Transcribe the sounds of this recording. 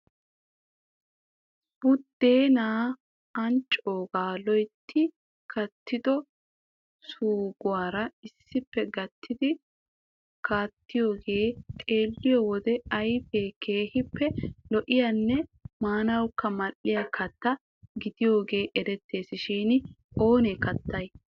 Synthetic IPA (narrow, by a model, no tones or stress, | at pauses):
b̥ʊd̪̥ːe̞ːnaː | ɐnt͡ʃʼːoːɡaːlɔjt̪ʰːɪ | kʰɐt̪ʰːɪd̪ɔ | suːɡʊwaːɾɐɪsːɪpːɛɡɐt̪ʰːɪd̪ɪ | kʰaːt̪ːɪjo̞ːɡeːt̪ʼe̞ːlːɪjoːwɔd̪ɛɐjfeːke̞ːhɪpːɛlɔʔɪjɐnːɛmaːnɐwkːɐmɐlːɪjɐkʰɐt̪ːɐ | ɡɪd̪ɪjo̞ːɡe̞ːʔɛɾɛt̪ːe̞ːsɪʃiːnɪ | o̞ːnekɐt̪ʰːɐj